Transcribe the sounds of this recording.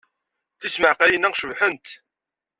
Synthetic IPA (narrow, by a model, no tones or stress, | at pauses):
θisməʕqæjənːæʁʃəvħənt̪